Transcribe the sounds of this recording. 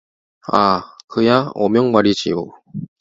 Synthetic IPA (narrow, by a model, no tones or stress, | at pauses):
a̰kɯjaɔ̰mjʌŋmaɾid͡ʑḭo